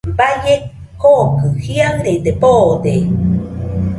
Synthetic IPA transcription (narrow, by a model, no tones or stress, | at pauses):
bajek | kokɯhiaŋɾed̪epod̪e